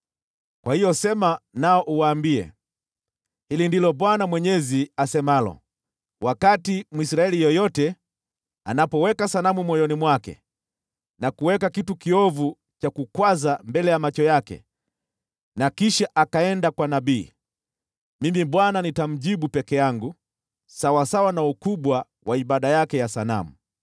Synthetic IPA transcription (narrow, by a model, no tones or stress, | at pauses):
kwahijɔsɛmanaɔʔuwaːmbiɛ̰ | hilindilɔɓwanamwɛɲɛziasɛmalɔ̰ | wʔakatimuisɾaɛlijɔjɔtɛ | a̰napɔwɛkasanamumwɔjɔnimwakɛ̰ | nakuwɛkakitukiɔvu | t͡ʃakukwazambɛlɛjamat͡ʃɔjakɛ̰ | nakiʃaʔakaɛndakwanabiː | mimiɓwananitam̩ʄiɓupɛkɛjaŋɡu | sawasawanaukuɓwa | waiɓaɗajakɛjasana̰mṵ